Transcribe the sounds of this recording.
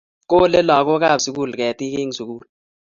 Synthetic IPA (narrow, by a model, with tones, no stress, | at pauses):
ko˦lɛ˦la˨k̬ɔ˦k̬a˦˨bsu˨k̬u˦˨lkɛ˨ti˦ke˦ŋ˨su˨k̬uː˦˨l